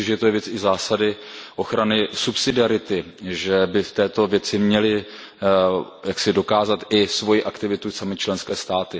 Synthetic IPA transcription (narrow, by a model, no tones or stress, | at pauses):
ɪʒɛjɛt̪ojɛvjɛt͡sɪzaːsadɪʔo̞xɾanɪsupsɪdɪaɾɪt̪ɪ | ʒɛbɪft̪ɛːt̪o̞vjɛt͡sɪmɲɛlɪ | jaksɪdo̞kaːzat̪ɪsvo̞jiʔakt̪ɪvɪt̪usamɪt͡ʃlɛnskɛːst̪aːt̪ɪ